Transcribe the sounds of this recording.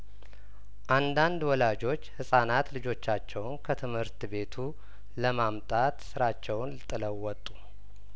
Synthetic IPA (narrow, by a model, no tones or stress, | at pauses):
ʔand̪and̪wɔlad͡ʒo̞t͡ʃːhɨsʼanat̪lɨd͡ʒo̞t͡ʃːat͡ʃːɛwnkʰət̪ʰɨmhɨɾt̪be̞t̪ʰu | ləmamt̪ʼat̪sɨɾat͡ʃːɛwnlɨt̪ʼːɨləwːɔt̪ʼːu̥